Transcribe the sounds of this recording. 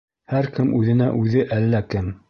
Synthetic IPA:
hæɾkɘmʔʉðɘ̆næʔʉðɘʔælːækɘm

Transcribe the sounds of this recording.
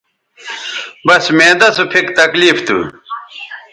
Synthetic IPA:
bɐsmeːd̪ɐsupʰikt̪ɐkliːft̪ṵ

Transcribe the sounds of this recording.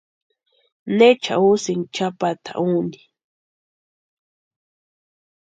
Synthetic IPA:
net͡ʃa̰usɪŋt͡ʃapat̪a̰ʔund̪i̥

